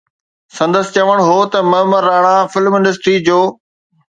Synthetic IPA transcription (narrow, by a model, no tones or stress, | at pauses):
sɐ̃nd̪əsɪ̥̆t͡ɕɐʋəɽ̃ɦoːt̪ɐmɐməɾaːɽ̃ãfɪlmɪ̃nɖəsʈɾid͡ʑoː